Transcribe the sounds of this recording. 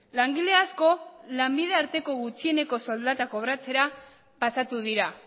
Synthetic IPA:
laŋɡile̞asko̞lambið̞e̞aɾt̪e̞ko̞ɣut͡sie̞ne̞ko̞so̞ld̪at̪ako̞βɾat͡se̞ɾa | pasat̪uð̞iɾa

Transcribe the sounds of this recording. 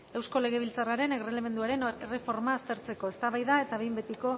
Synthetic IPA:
e̞wsko̞le̞ɣ̞e̞β̞ilt͡saraɾe̞neɣreleme̞nd̪uaɾe̞nere̞fo̞ɾmaːst̪e̞ɾt͡se̞ko̞e̞st̪aβajðae̞t̪aβe̞jmbe̞t̪iko̞

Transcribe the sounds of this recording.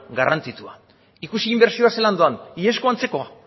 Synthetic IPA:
ɡarʔant͡sit̪ua | ikusiːmbe̞ɾsio̞aseland̪oanie̞sko̞ant͡se̞ko̞a

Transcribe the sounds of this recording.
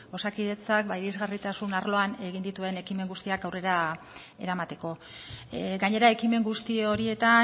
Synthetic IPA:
o̞sakið̞e̞t͡sak̚baiɾizɣarit̪asunaɾlo̞ane̞ɣ̞ind̪it̪ue̞ne̞kime̞ŋɡust̪iakawre̞ɾa | e̞̰ɾamat̪e̞ko̞ | ɡaɲe̞ɾae̞kime̞ŋɡust̪io̞ɾie̞t̪a

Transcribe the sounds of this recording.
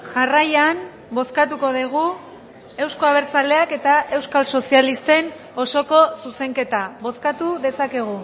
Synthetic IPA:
ʝarajan | bo̞skat̪̬uko̞ðeɣ̞u | e̞wsko̞aβ̞e̞ɾt͡sale̞ake̞t̪aʔe̞wskalso̞sialist̪e̞n | o̞so̞ko̞suse̞ŋke̞t̪aβo̞skat̪uðe̞sake̞ɣ̞u

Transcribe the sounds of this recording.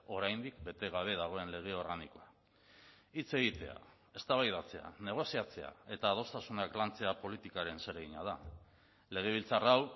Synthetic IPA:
o̞ɾajnd̪ikbe̞t̪e̞ɣ̞aβe̞ð̞aɣ̞o̞e̞nle̞ɣ̞e̞o̞ɾɣaniko̞a | it͡se̞ɣit̪e̞a̰ | e̞st̪aβajðat͡se̞a̰ne̞ɣ̞o̞siat͡se̞a̰e̞t̪aːð̞o̞st̪asunaklant͡se̞apo̞lit̪ikaɾe̞nse̞ɾeɣiɲaða | le̞ɣ̞e̞β̞ilt͡saraw

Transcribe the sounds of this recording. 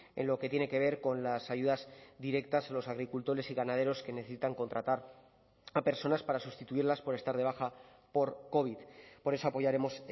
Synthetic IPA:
e̞̰nlo̞ke̞t̪je̞ne̞ke̞β̞e̞ɾko̞nlasaʝuðazd̪iɾe̞k̚t̪asalo̞saɣɾikult̪o̞ɾe̞siɣanað̞e̞ɾo̞ske̞ne̞θe̞sit̪aŋko̞nt̪ɾat̪aɾ | ape̞ɾso̞naspaɾasust̪it̪uiɾlaspo̞ɾe̞st̪aɾð̞e̞β̞axa | po̞ɾko̞βit̪po̞ɾe̞so̞apo̞ʝaɾe̞mo̞s

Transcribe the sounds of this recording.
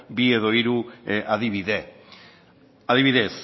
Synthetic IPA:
bie̞ðo̞iɾuaðiβiðe̞ | aðiβiðe̞s

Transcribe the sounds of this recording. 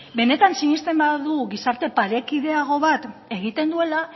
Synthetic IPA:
be̞ne̞t̪ansiɲist̪e̞mbaðuɣisaɾt̪e̞paɾe̞kið̞e̞aɣ̞o̞βat̪e̞ɣ̞it̪e̞nd̪ue̞la

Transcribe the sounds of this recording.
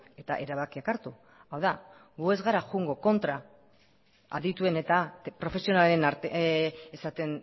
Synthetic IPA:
e̞t̪a̰ʔe̞ɾaβakiakaɾt̪u | awða | ɡue̞zɣaɾaxuŋɡo̞ko̞nt̪ɾa | a̰ðit̪ue̞ne̞t̪apɾo̞fe̞sio̞nalenaɾt̪eesat̪e̞n

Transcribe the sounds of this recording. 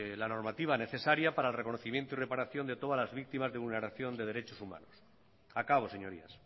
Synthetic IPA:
lano̞ɾmat̪iβ̞ane̞θe̞saɾjapaɾaelrekonoθimje̞nt̪oire̞paɾaθjo̞nd̪e̞t̪o̞ðalazβik̚t̪imazðeβulneɾaθjo̞nd̪e̞ðe̞ɾet͡ʃosuma̰nos | akaβo̞seɲo̞ɾḭa̰s

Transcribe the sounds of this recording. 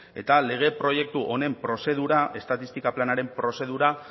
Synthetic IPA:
e̞̰t̪ale̞ɣ̞e̞pɾo̞je̞k̚t̪uʔo̞ne̞mpɾo̞se̞ð̞uɾaʔe̞st̪at̪ist̪ikaplanaɾe̞mpɾo̞se̞ð̞uɾa

